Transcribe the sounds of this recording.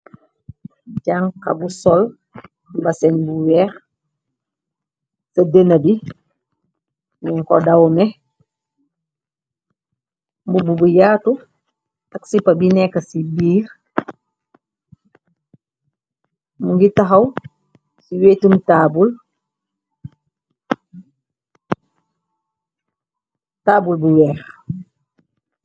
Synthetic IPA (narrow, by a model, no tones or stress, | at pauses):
ɟaŋkabusɔl | basɛnbuwɛːɾ | sɐdenɐbi | mɛŋkɔdawmɛ | mbububujaːtu | aksipɐbinɛkːɐsibiːɾ | muŋɡitaɦaw | siweːtumtabul | taːbulbuwɛːx